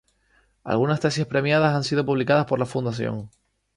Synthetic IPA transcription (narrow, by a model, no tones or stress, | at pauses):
a̰lɣunast̪esiespɾe̞mjaðasansið̞o̞puβlikaðaspo̞ɾlafund̪as̬jo̞̰ŋ